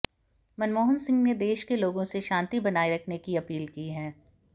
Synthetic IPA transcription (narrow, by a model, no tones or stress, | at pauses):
mɐnmoːɦənsɪ̃ŋɡned̪eːʃkeloːɡõseʃãːnt̪ibɐnaːiɾɐkʰnekiɐpiːlkiɦɛː